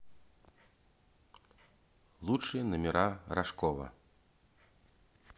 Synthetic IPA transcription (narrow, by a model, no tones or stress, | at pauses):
lˠut͡ʂɨjɐnɐmʲɛɾaɾaʂkɔvɐ̰